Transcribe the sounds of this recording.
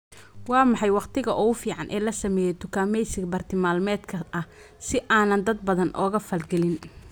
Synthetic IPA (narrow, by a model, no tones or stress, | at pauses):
wɑːmɑħɑjwɑqt̪ʰɪɣɐʔɔːʊfiːʕɑnʔɛ̰ːlɐsɐmɛːjɛt̪ʰʊkʰaːmɛjsɪɡbɐrt̪ʰɪmaːlmɛːd̪kʰɐɐ | sɪʔaːnɐnd̪ɐd̪̚bɐðɐnʔɔːɣɐfɐlɡɛlɪn